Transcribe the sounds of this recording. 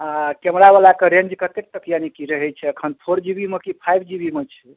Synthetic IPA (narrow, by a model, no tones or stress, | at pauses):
akɛmɾaβalakeɾẽɲd͡ʒkət̪ek̚t̪əkjanikiɾəɦɛt͡ʃʰɛəkʰənpʰoɾd͡ʒibimekipʰajbʰd͡ʒibimet͡ʃʰɛ